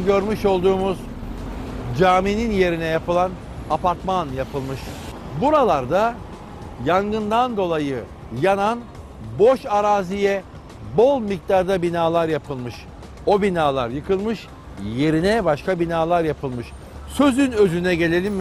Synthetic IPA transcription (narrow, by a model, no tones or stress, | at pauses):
ɟøɾmyʃo̞lˠd̪uːmuz | d͡ʒaːmininje̞ɾinɛjapɯlˠan | apaɾt̪manjapʰɯlˠmɯʃ | buɾalˠaɾd̪a | jaŋɡɯnd̪and̪o̞lˠajɯ | janan | bo̞ʃaɾaːzijɛ | bo̞lˠmic̚t̪aɾd̪abinaːlˠaɾjapʰɯlˠmɯʃ | o̞binaːlˠa̰ɾjɯkʰɯlˠmɯʃ | je̞ɾinɛbaʃkabinaːlˠaɾjapʰɯlˠmɯʃ | søzynø̞zynɛɟe̞lʲe̞lʲim